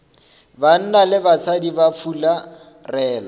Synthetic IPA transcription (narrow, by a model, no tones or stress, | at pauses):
ban̩nalɪbasʰadibafʰula | rɛːlɔ